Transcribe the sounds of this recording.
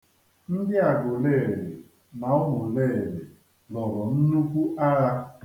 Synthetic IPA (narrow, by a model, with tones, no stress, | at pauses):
n̩˦dɪ˦a˨ɡʊ˨le˦˨le˨ | ma˨˦ʊ˦mʊ˨leː˦˨le˨ | lɔ˨ɾɔ˨n̩˦nu˦kʷu˦ʔa˦ɾa˦